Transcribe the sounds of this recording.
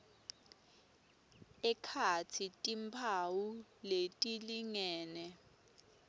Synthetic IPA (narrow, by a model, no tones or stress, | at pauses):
ɛkʰatʰitʼimpʰawuletʼiliŋɛːnɛ